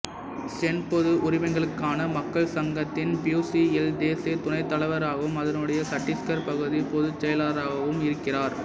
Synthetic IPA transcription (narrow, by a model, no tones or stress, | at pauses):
sɛnpɔðɯʔʊɾɪʋɐŋɡɐɭɯkːaːnɐmɐkːɐɭsɐŋɡɐt̪ːɪnpjuːsiɛld̪eːsit̪ʊnɐɪt̪ːɐɭɐʋɐɾaːɣɐʋɯmɐðɐnɯɽɐjɐsɐʈːɪskɐɾpɐɣɯðipɔðɯt͡ʃːɛjɐlaːɾaːɣɐʋɯmɪɾɯkːɪraːɾ